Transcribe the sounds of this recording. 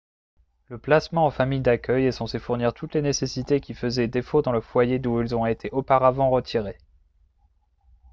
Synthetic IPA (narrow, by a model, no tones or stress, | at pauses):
ləplasmɑ̃ːfamijd̪akʲœjɛsɑ̃sefuʁniʁt̪ʰut̪lenesesit̪ekʲifəzɛd̪efod̪ɑ̃ləfwajed̪uilzɔ̃et̪ʰeʔopaʁavɑ̃ʁət̪ʰiʁe